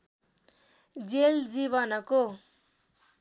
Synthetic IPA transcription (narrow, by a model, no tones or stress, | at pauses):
d͡zeld͡ziβʌnʌko